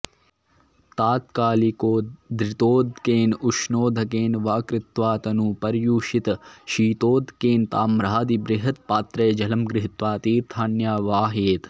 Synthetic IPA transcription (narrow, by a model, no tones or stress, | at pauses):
t̪aːt̪kaːlikoːd̪ɾɪt̪oːd̪ʱkeːnuʃnoːd̪ʱɐkeːnʋaːkɾɪt̪ʋaːt̪ɐnuːpɐɾjuːʃit̪ʃiːt̪oːd̪ʱkeːnt̪aːmɾaːd̪ibɾɪɦɐt̪paːt̪ɾeːd͡ʒɐlɐmɡɾɪɦit̪ʋaːt̪iːɾt̪ʰaːnjaːʋaːɦeːt̪